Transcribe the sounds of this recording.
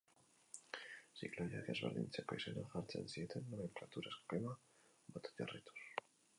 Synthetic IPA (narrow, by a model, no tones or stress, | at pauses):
sikloʎaɣazβa̰lḭnt͡sepajsenoxaɾt͡sḛnsiet̪enːoβempeɾat̪uɾaskpema | bot̪e̥ʝaret̪ʰu̥s